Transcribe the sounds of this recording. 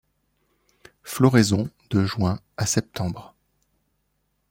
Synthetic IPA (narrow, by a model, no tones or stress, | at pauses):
flɔʁezɔ̃ | d̪̥əʒwɛ̃ | asɛp̚t̪ɑ̃bʁ